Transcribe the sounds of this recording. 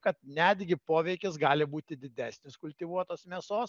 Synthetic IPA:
kɐt̪nʲæd̪ʲɡʲɪpoːʋʲɛɪkʲɪs̬ɡɑːlʲɪbuːt̪ʲɪd̪ʲɪd̪ʲæːsʲnʲɪskʊlʲt̪ʲiʋuɔt̪oːsmʲɛsoːs

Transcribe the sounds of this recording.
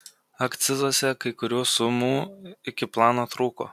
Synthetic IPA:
ɐkt̪sʲɪzuɔsʲɛkɐɪkʊɾʲuːsʊmuːɪkʲɪplˠɑːnoːt̪ɾuːko̰ː

